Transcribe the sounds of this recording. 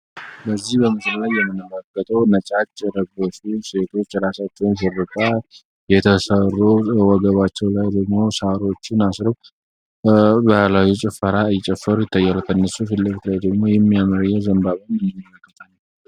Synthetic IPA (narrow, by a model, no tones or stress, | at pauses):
bəzːihbəmɨsllajːɛmːɨnəməkʼːət̪ʼəwnət͡ʃʼat͡ʃːɾəbːəʃuse̞t̪ʰo̞t͡ʃːɾasat͡ʃːɛwnsɨrːɨt̪ʼa | jɛt̪ʰəsərːuwɔɡəβat͡ʃːɛwlajd̪əɡmo̞saɾo̞t͡ʃːɪnasɾɨw | bəhlajut͡ʃʼɪfːəɾaɨjɪt͡ʃʼɛfːəɾujɪt̪ʰːajːalk̪ʰənːəsufɨlːɨɡt̪ʰɨlajd̪əɡmo̞jɛmːijamɨɾɨjɛzəmbaβənjɨmːɨmːmːələkːət̪ʰʼaɲː